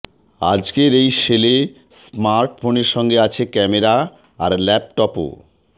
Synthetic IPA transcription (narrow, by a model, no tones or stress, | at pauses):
a̰d͡ʑkeɾejʃele | smaɾʈfʰoneɾʃɔŋɡeat͡ɕʰekɛmeɾaː | ɾlɛp̚ʈɔpo̰